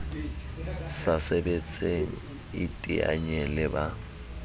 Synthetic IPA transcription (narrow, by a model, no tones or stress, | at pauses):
sasebet͡sʼeŋ̩ | ɪtʼia̰ɲɛlɪba